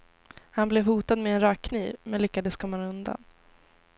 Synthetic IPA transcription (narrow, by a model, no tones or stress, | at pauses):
hanblɛvhuːt̪ad̪mɛɛnɾɑːkʰːniːvmɛnlʏkːad̪əskʰɔmːanɵnd̪a̰n